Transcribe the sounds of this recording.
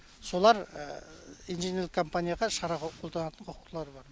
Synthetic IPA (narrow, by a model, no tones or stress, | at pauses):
so̞lˠɑɾ̰ | ijnʒeneɾɪkʰo̞mpanʲijaʁɑʃɑɾɑʁqʰo̞ld̪ɑnɑt̪əɴqʰoqu̥t̪əlˠɑɾbɑɾ